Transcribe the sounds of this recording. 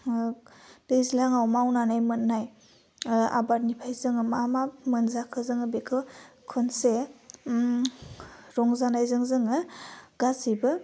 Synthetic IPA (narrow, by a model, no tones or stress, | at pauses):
tejzlaŋawmawnanajmɯnːaj | a̰baɾnipʰajzɯŋɯmamamɯnzakʰɯzɯŋɯbekʰɯkʰɯnse | ɾɔŋzanajzɯŋzɯŋɯɡ̥asibɯ